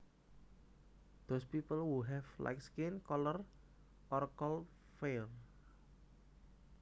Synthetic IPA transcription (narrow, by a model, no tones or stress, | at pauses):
d̪̥ospipəlwuɦɛfla̰jkskinkɔlɔr | ʔɔrkɔl | fer